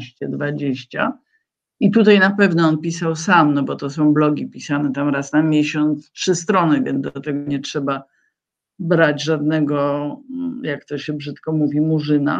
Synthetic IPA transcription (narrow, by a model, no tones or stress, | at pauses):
ɕt͡ɕɛd̪vad͡ʑeɕt͡ɕa̰ | it̪ut̪ajnapɛvnɔɔnpʲisawsamnɔbɔt̪ɔsɔ̃w̃blɔɡʲipʲisanɛt̪amɾasnamʲjeɕɔnt̪stʂɘst̪ɾɔnɘvʲjɛ̰nzd̪ɔt̪ɛɡɔɲɛtʂɛba | bɾad͡ʑʐad̪nɛɡɔ | jakt̪ɔɕɛbʐɘt̪kɔmuvʲimuʐɘna̰